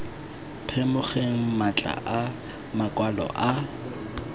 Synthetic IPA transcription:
pʰɛmʊχeŋ̩mat͡ɬʼa̰ʔa | makʼwalɔ̰ʔa

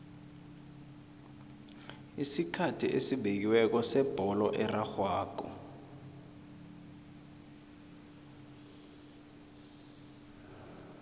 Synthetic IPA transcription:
isikʰatʰiʔesiɓek̬iwɛk̬ɔsɛb̥ʱɔlɔʔɛraxwaːkɔ̰

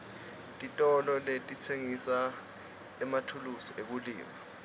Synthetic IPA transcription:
tʼitʼɔlɔletʼit͡sʰeŋisa | ɛmatʰulusɔʔek̬ulḭːma

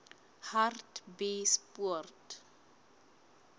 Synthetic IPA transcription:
hartbespuɔrt

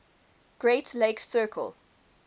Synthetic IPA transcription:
ɡ̥ɹeɪtʰleɪksɜːkʰə̰lˠ

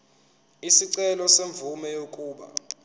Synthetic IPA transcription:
isiǀɛlɔseɱb̪vumɛjokʼuːɓa̰

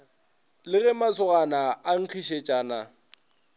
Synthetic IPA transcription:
lɪɣɛmat͡sʰʊɣanaaŋ̩t͡ɬʰiʃet͡ʃʼaːna

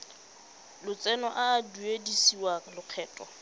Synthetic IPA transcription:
lʊt͡sʼɛnɔʔaːduedisiwalʊq͡χʰɛːtʼɔ

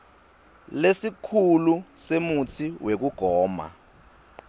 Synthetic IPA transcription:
lesikʰulusemut͡sʰiwʔek̬uɡ̥ʱɔːma̰

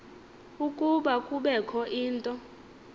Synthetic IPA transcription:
ukʼuɓakʼuɓɛkʰɔʔiːntʼɔ

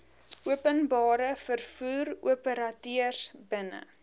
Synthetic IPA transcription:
ʔuəpənbɑːɾəfərfuːruəpəɾɐtyərsbənə̰

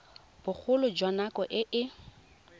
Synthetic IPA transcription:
b̥ʊk͡xʰʊlʊd͡ʒwanakɔʔɪʔɪ

